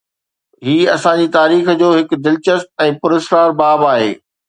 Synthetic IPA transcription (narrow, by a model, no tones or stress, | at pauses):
ɦiːɐsãd͡ʑiːt̪aːɾiːxd͡ʑoːɦɪkd̪ɪlt͡ɕəst̪̚ɛ̃ːpʊɾɪsɾaːɾbaːbaːɦḛː